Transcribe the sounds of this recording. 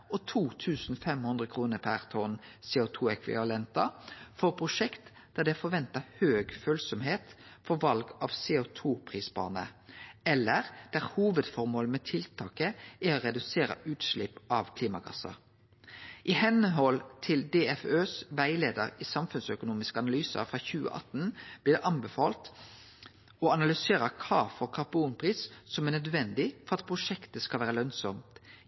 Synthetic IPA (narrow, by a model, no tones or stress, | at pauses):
ɔt̪ʰuːt̪ʰʉːsn̩fɛmhʉnd̪ʁəkʰʁuːnəpʰæʁt̪ʰɔnseːʊt̪ʰuːɛkʰʋɪ̰ʋɑlɛnt̪ɑfɔʁpʰʁʊʃɛkt̪ | d̪̥æd̪ɛfɔʋɛnt̪ɑhøːɡføːlsɔmheːt̪fɔʋɑlɡɑʋseːʊt̪ʰuːpʰʁiːsbɑ̰ːnə̰ɛlːəʁd̪̥æʁhuːʋəd̪fɔʁmoːlmɛt̪ʰɪlt̪ʰɑːkəʔæoʁɛd̪ʉseːɾə̰ʔʉːt̪ʃlɪpʔɑʋkʰliːmɑɡɑ̰sɑ̰ | ʔɪhɛnəɦɔlt̪ʰɪld̪eːɛføːsʋæɪleːd̪əɾisɑmfʉnsœkʊnuːmɪskəɑnɑlyːsə̰fɾɑːçʉːə̰ʔɑ̰t̪nb̥liːd̪ɛʔɑnbɛfɑːlt̪ | ɔɑnɑlʏseːɾəkʰɑːfɔɾkʰɑʁbuːnpʰʁiːssɔmænœd̪ʋɛnd̪ɪfɔɾɑt̪̚pʰʁʊʂɛkt̪əskɑlʋæːɾəlœnsɔmt̪